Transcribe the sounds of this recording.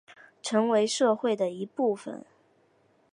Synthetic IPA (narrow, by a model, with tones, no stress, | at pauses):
ʈ͡ʂʰɤ˧˥ŋwe˧˥ɪʂɤ˥˧xwe˥˩ɪd̪ə˩i˧˥pu˥˩fə̰˨˩n